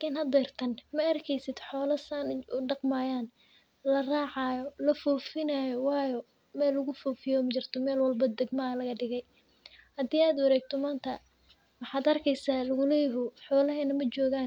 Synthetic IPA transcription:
lakʰɪːnhɐd̪ɛːrt̪ʰɐnmɐɐrkʰɛjsɪd̪̥ħɔːlɐsaːnʊɖɑqmaːjaːn | lɐraːʕɑːjɔlɐfɔːfɪnaːjɔwɑːjɔ | mɛːlːʊɣʊfɔːfɪjɔmɐt͡ʃɪrt̪ʰɔmɛːlwɐlbɐd̪ɛɡmɐɐlɐɣɐɖɪɣɛj | hɐd̪iːaːd̪wɐɾɛːɡ̚t̪ʰɔmaːnt̪ʰɐ | wɑħɑːd̪ɐrkʰɛjsaːlɐɣʊlɛjɦʊħɔːlɐɦɛːnɐmɐt͡ʃɔːɣaːn

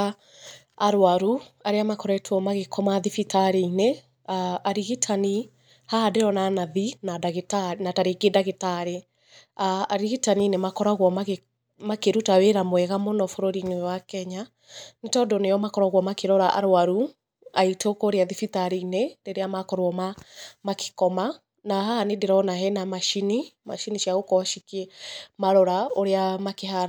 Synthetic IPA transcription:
aɾwaɾuaɾeamakɔɾɛtʰwɔmaɣekʰɔmaðifitaɾeine | aaɾiɣitʰani | haadeɾɔnanaðinadaɣetanataɾeɡedaɣetaɾe | aːɾiɣitaninemakɔɾaɣwɔmaɣe | makeɾutaweɾamwɛɣamonɔfoɾoɾinewakɛɲa | netɔdɔnejɔmakɔɾaɣwɔmakeɾɔɾaʔa̰ɾwaɾu | aitokɔɾeaðifitaɾineɾeɾeamakɔɾwɔmamake̥kɔma | naɦanedeɾɔnaɦɛnamaʃinimaʃiniʃiaɣokɔʃikiɛmaɾɔɾaoɾeamakeɦa

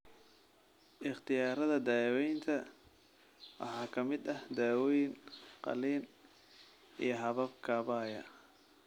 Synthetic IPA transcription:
ʔɪχt̪ʰɪjaːɾɐðɐd̪aːwɛjnt̪ʰɐ | wɑ̰ħɑːkʰɐmɪd̪ɐhd̪aːwɛjnqɑ̰liːn | ḭjɞɦɐβɐbkʰɐβaːjɐ̰

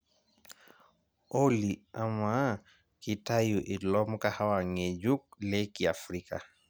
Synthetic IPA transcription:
oliama | kitajuʔelɔmkahawaŋed͡ʒuk̚lekiafɾika̰

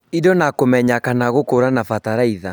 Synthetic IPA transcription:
idɔnakomɛɲakanaɣokoɾanafataɾaiða

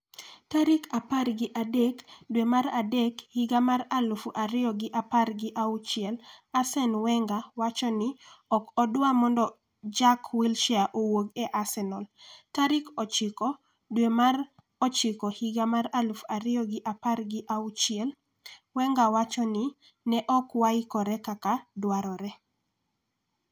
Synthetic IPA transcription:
taɾɪkaparɡɪʔadɛkdwemaɾadɛkhiɡamaralufuʔaɾɪɔɡɪʔaparɡɪʔaut͡ʃɪɛlasɛnwɛŋɡawat͡ʃɔnɪɔkɔdwamɔndɔ | d͡ʒakwilʃaʔowoɡɛʔasɛnɔltaɾɪkɔt͡ʃɪkɔ | dwemar | ɔt͡ʃɪkɔhiɡamaɾalufaɾɪɔɡɪʔaparɡɪʔaut͡ʃɪɛl | wɛŋɡawat͡ʃɔnɪ | nɛʔɔkwaikɔɾɛkakadwaɾɔɾɛ

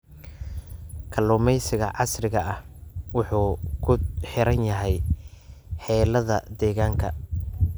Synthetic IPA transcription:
kʰɐlɔːmɛjsɪɣɐʕɑsrɪɣɐʔɐhwʊħuːkʰʊħɪɾɐnjɐɦɛj | ħɛːlɐðɐ̰d̪ɛːɣaːŋkʰɐ

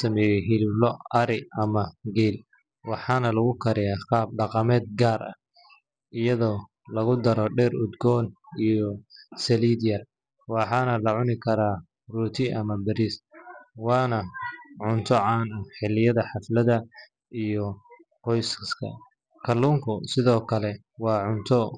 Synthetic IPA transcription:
sɐmɛːjɛɦɪlɪblɔɐɾɪʔɐmɐɡɛːl | wɑħɑːnɐlɐɣʊkʰɐɾɪjaːqɑːb̚ɖɑqɑmɛːd̪̚ɡaːrɐ̰ | ɪjɐðɔː | lɐɣʊd̪ɐɾɔɖɛːrʊd̪ɡɔːnijɔsɛliːd̪ɪjɐr | wɑħɑnɐlɐʕʊnɪkʰɐɾaː | ruːt̪ʰɪʔɐmɐbɛɾiswɑːnɐʕʊnt̪ʰɔʕɑːnʊħɪlɪjɐðɐħɑflɐðɐ | ʔijɔ | qɔjsskʰɐ̰ | kʰɐlːuːŋkʰʊsɪðɔːkʰɐlɛ | wɑːʕʊnt̪ʰɔ

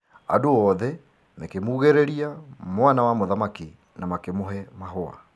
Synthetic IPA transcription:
a̰doɔðɛ | mekemuːɣeɾeɾiamwanawamoðamaki | namakemoɦɛmaɦoa̰

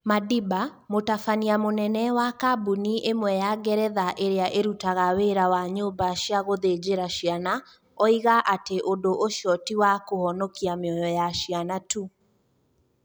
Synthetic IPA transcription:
madiba | motafaniamonɛnɛwakabuniʔemwɛjaɡɛɾɛðaʔeɾeaʔeɾutaɣaweɾawaɲoːmbaʃiaɣoðed͡ʑeɾaɕiana | ɔiɣaʔateʔondoʔoʃɔtiwakohɔnɔkiameɔjɔjaʃjanatu

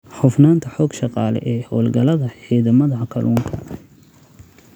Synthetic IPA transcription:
ħʊfnaːnt̪ʰɐħɔːɡʃɑqɑːlɛ̰ʔɛːhɔːlɡɐlɐðɐħiːðɐmɐðɐkʰɐlʔuːŋkʰɐ

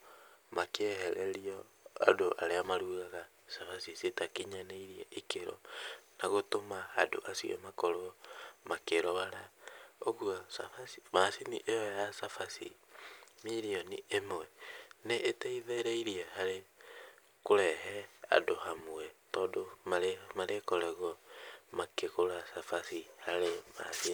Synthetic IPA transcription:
makehɛɾʔɛɾiɔ | a̰doʔa̰ɾeamaɾuːɣaɣa | safasisetakiɲaneiɾiɛʔikeɾɔ̰naɣotomahado̰ʔasiɛ̰makɔɾoɔmakeɾɔβaɾaoɣuɔsa̰fasimasiniʔejɔjasafasḭ | miɾiɔniʔemwɛneʔetɛiðeɾeiɾiɛhaɾe | koɾɛɦɛa̰dohamoɛtɔːdomaɾemaɾekɔɾɛɣɔmakeɣoɾasafasihaɾema̰si

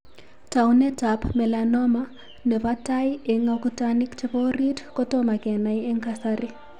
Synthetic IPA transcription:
taunɛtapmɛlanɔma | nɛβataieŋakutanikt͡ʃɪβɔridkɔtɔmakɛnajɛŋkasaɾɪ

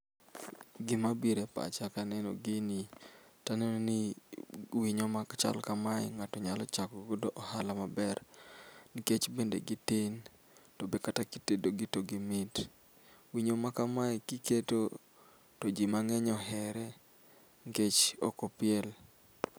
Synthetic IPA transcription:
ɡɪmabiɾepa̰t͡ʃakanɛno̰ɡɪnitanenoni | wiɲomakt͡ʃa̰lkamajŋatɔɲalɔ̰t͡ʃakɡodoʔɔhalamabɛrniket͡ʃbendḛɡitin | tɔbekatakitedoɡitoɡimɪt | wiɲomakamajkiketo | tod͡ʒimaŋɛɲɔɦɛɾɛ | ŋket͡ʃɔ̰kɔpɪɛl

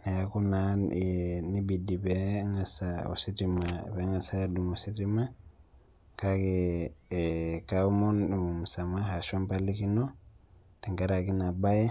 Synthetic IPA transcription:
jakunanjɛnibidibɛŋasaɔ̰sitimabɛŋasadumɔsitima | kakɛ | kaumɔnmumusamahaʃɔmpalikinɔ | tɛŋɡaɾakinabajɛ

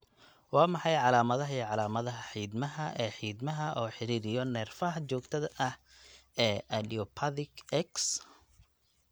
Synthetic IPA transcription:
wɑːmɑħɑjʕɑlaːmɐðɐɦɐiːʕɑlaːmɐðɐɦɐħiːd̪mɐɦɐʔɛːħiːd̪mɐɦɐʔɔːħɪɾiːɾɪjɔnɛːrfɐɦt͡ʃɔːɡt̪ʰɐðɐʔɐh | ɛːɐliɔpʰɐðɪkɛks

